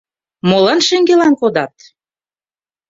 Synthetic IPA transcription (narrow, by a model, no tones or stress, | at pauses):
molɑnʃĕŋɡelɑnkod̪ɑt̪̚